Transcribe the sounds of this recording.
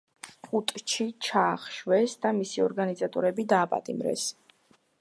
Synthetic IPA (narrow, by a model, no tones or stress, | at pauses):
χʼut̪ʼt͡ʃʰit͡ʃʰaːχʃwɛsd̪amisiɔɾɡanizat̪ʼɔɾɛbid̪aːpʼa̰t̪ʼḭmɾɛ̰s